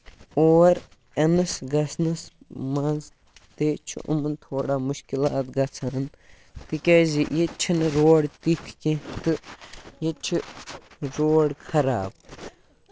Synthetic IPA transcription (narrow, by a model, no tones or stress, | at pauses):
oːɾ | ɐnɨsɡɐsnɐs | mɐnz | t̪eːt͡ʃʰṵʔṵmənt̪ʰoːɽaːmuʃkilaːt̪ɡɐt͡sʰaːn | t̪ikeːzijet͡ʃʰinɨɾoːɽt̪ikʰkĩt̪ɨjet͡ʃʰi | ɾoːɽkʰɐɾa̰ːb